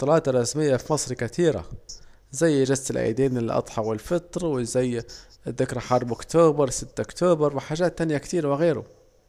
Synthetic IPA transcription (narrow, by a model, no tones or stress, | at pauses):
t̪ːˤɑlɑːt̪ɾˤːɑsməjːafimɑsˤɾikæt̪iːɾa̰ | zæjːʒɪzt̪ɪlʔæ̰d̪iːnmɪnəlʔɑ̰t̪ˤħɑwɪlfət̪ˤɾwɪzæjː | ðːɪkɾaħɑɾˤbʊkt̪uːbəɾˤsɪt̪ːʔʊkt̪uːbəɾˤwɪħaʒæːt̪ːænjakt̪iːɾwɪɣiːɾʊ̰